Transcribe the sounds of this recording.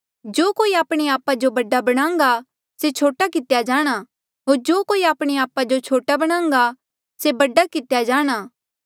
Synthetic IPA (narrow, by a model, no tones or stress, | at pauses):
d͡ʒoːkoːiaːpɽ̃eaːpad͡ʒobɐɖabɐɽ̃ãːŋ̆ɡa | set͡ʃʰoːʈakɪt̪ejad͡ʒaːɽ̃a | ɦoːɾd͡ʒoːkoːiaːpɽ̃eaːpad͡ʒot͡ʃʰoːʈabɐɽ̃ãːŋɡa | sebɐɖakɪt̪jad͡ʒaːɽ̃aː